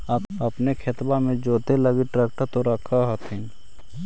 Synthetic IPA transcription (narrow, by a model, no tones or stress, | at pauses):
əpɐpnekʰet̪bamẽd͡ʒoːt̪eləɡiʈɾɛk̚ʈəɾt̪oɾəkʰaɦət̪ɪn